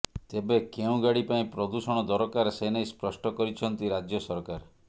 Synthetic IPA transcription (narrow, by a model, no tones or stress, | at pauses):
t̪ebekeũɡaɽipaĩpɾɔd̪usɔɽ̃ɔd̪ɔɾɔkaɾsenajspɾɔsʈɔkɔɾit͡ʃʰɔnt̪iɾad͡ʒjɔsɔɾkaɾ